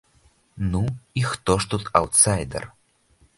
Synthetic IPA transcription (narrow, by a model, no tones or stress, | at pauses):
nuixt̪ɔʂt̪ut̪awt̪sajd̪ɛ̰r